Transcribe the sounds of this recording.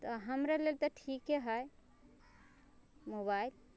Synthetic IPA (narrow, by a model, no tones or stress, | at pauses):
t̪ɔɦəmɾalelt̪ɔʈʰikeɦəj | mobail